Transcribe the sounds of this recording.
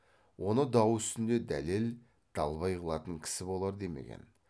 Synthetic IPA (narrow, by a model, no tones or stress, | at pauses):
wʔo̞nəd̪ɑwʏst̪ɪnd̪e̞d̪æ̰le̞l | d̪̥ɑlˠβɑjqəlˠɑt̪əŋkʲʰɪ̥sɪbo̞lˠɑɾd̪e̞mḛɡʲḛn